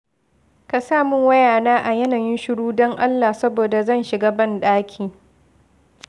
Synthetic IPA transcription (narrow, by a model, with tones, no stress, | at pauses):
ka˨saː˦˨mʊ˦ŋwɐ˦jaː˨naː˦ʔa˨jɐ˦naː˨jɪ˦nʃʊ˦ɽuː˦dɔ˦ŋʔa˦lːa˨sɐ˦boː˨da˨zɐ˦˨nʃɪ˨ɡaː˦bɐ˦˨nɗaː˦kʲʰiː˨